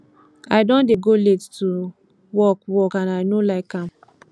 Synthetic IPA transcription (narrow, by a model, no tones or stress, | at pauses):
aɪdɔ̃ndeɡolettu | wɔkwɔkãnaɪnolaɪkãm